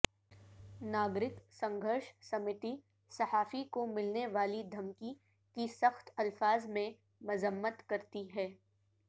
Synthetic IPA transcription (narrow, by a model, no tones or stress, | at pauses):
naːɡɾɪksɐ̃ŋɡʱəɾʃsɐmɪt̪i | sɐhaːfikomɪlneʋaːlid̪ʱɐmki | kisɐxt̪ɐlfaːzmẽ | mʊzəmːət̪kɐɾt̪iɦɛː